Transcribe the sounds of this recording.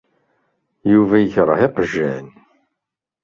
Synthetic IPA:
juvæjəçɾˤə̰heqəʒːiʕn

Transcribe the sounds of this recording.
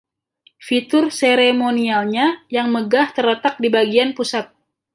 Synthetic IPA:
fit̪ʊrseɾemonialɲajaŋməɡaht̪ərlət̪ak̚dibaɡianpusat̪̚

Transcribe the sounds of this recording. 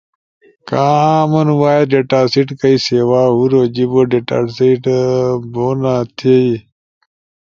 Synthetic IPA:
kaːmɐnwaːjeɖeʈaːsiʈkəiseːwaːɦuɾoːd͡ʑiboɖeʈa̰ːʈsiʈboːnaːt̪ʰei

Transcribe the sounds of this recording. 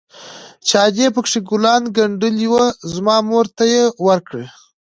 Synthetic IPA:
t͡ʃɑd͡ʒepəkʂiɡʊlɑnɡaɳɖəliwəzmɑmoɾt̪ajewaɾkɽe

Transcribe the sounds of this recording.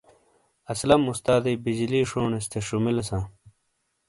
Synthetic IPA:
ɐslɐmust̪aːd̪ejbid͡ʑiliːʂoːɳest̪eʂumilesãː

